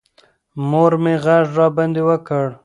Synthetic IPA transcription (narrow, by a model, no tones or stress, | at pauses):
moɾmeɣaʐːɑband̪ewəkəɽ